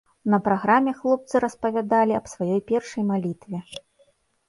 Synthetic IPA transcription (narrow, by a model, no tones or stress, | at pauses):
nɐpɾaɣɾamʲɛxlˠɔp̚t̪sɨɾɐspɐvʲad̪alʲiɐbsvajɔjpʲɛrʂɐjmalʲit̪vʲɛ